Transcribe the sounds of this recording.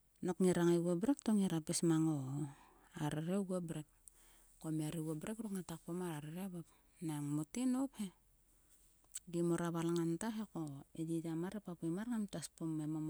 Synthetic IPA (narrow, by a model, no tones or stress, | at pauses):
nokŋiɾaŋeɡobɾektoŋiɾapesmaŋo | aɾeɾeɡobɾek̚ | komeaɾeɡobɾekɾukŋatak̚pomaɾaɾeɾeaβap | naŋmotinophe | ɡimoɾaβalaŋantaɦekoedidamaɾepapemaɾŋantaspomemom